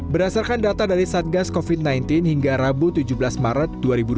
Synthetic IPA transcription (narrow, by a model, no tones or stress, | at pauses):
bəɾasarkandat̪adaɾisat̪̚ɡaskofit̪̚najnt̪ɪnhiŋɡaɾabut̪ud͡ʒubəlasmaɾat̪̚duaɾibu